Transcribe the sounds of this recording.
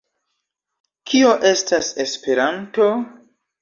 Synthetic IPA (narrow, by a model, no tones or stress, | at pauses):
kʰio̞ʔe̞stase̞spe̞ɾanto̞